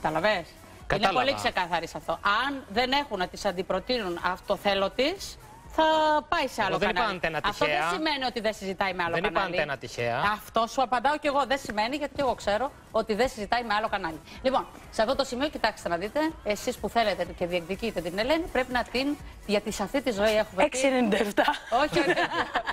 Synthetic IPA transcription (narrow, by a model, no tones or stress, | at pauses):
kɐt̪ɐlɐves | kinepo̞likse̞kɐθɐɾisɐft̪o̞ʔɐnðe̞ne̞xunɐt̪isɐnd̪ipɾo̞t̪inunɐ̰ft̪o̞θe̞lo̞t̪is | θɐpɐiseɐloðenɐɐnt̪enɐɐft̪oðeɐsime̞nio̞t̪iðensizit̪ɐimeɐlonɐnɐnlienɐt̪içeɐɐft̪o̞suɐpɐnd̪ɐo̞ce̞ɣo̞ðesime̞niʝɐt̪i̥e̞ɣo̞kse̞ɾo̞ | ot̪iðesizit̪ɐime̞ɐlo̞kɐnɐlilipo̞n | seɐft̪o̞t̪o̞simio̞cit̪ɐkse̥st̪enɐðit̪e̞ːsispuθe̞le̞t̪et̪uce̞ðiekðicit̪et̪ine̞le̞nipɾe̞pinɐt̪in | ʝɐt̪isɐft̪it̪izo̞ie̞xumeeksenind̪ɐeft̪ɐo̞çio